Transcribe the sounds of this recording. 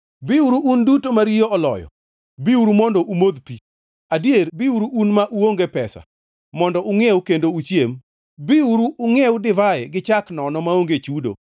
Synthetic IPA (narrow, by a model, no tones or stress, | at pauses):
biuɾuʔːndutomaɾijoʔɔlɔ̰jɔ̰ | biuɾumɔndɔʔumod̪pi | adjeɾbiuɾuːnmaʔuoŋɡepɛsa̰ | mɔndɔʔuŋewkendout͡ʃjem | biuɾuʔːŋewʊdɪvaɛɡɪt͡ʃaknɔnɔmaoŋɡet͡ʃudo̰